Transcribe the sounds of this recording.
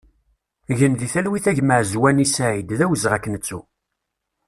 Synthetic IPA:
ʝənðiθælwiθæʝməʕzwænisæʕid̪ðæwəzəʁækːənət͡sːu

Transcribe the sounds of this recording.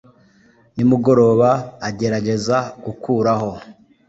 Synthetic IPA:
nimuɡo̞ɾo̞ːβaːɟe̞ɾaɟe̞zaɡukʰuːɾaho̞

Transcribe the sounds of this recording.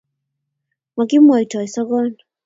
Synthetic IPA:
maɡimuaitwaisɔɡɔn

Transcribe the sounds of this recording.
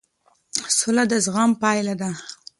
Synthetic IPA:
sʊlad̪əzɣɑmpɑjlad̪a

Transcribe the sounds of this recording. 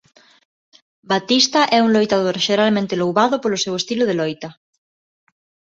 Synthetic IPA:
bat̪ist̪ɐʔɛuŋlojt̪aðoɾʃeɾalmẽnt̪ɪlowβaðʊpolʊsewest̪iloð̞elɔjt̪ɐ

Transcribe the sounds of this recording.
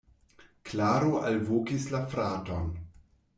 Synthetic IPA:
klaːɾoʔalvokislafɾaton

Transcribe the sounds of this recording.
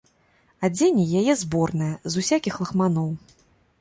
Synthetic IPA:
ad͡zʲenʲijajɛzbɔrnɨjɐzusʲakʲixlˠɐxmanɔw

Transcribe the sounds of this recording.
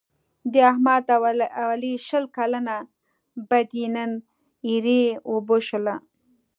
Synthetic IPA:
d̪əahmad̪awaliʃəlkalana | bad̪inan | iɾeoboʃola

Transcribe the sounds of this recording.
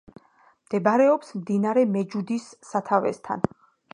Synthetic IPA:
md̪̥ɛbaɾɛɔpsmd̪inaɾɛmɛd͡ʒud̪isːat̪ʰavɛ̰st̪ʰa̰n

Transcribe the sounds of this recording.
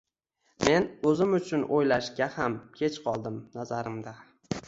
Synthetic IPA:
me̞nɵzɪmʊt͡ʃʰʊnʔojlaʃɡʲahamkʲʰe̞t͡ʃqʰɒlˠd̪ɪmnazaɾɪmd̪a

